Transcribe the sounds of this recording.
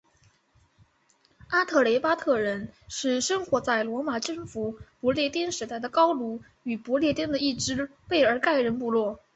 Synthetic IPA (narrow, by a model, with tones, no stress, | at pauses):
a˥t̪ʰɤ˥˩le˧˥ɪpa˥t̪ʰɤ˥˩ɻə˧˥nʂɻ̩˥˩ʂə˥ŋxwɔ˧˥t͡sa˥˩ɪlwɔ˧˥ma˨˩ʈ͡ʂɤ˥˩ŋfu˧˥pɔ˧˥ljɛ˥˧˩t̪jɛ˥nʂɻ̩˧˥t̪a˥˩ɪd̪ə˩kɑ˥ʊlu˧˥ | y˨˩pɔ˧˥ljɛ˥˧t̪jɛ˥nd̪ə˨i˥˩ʈ͡ʂɻ̩˥pe˥˩ɪə˞˧˥ka˥˩ɪɻə˧˥npu˥˧lwɔ˥˩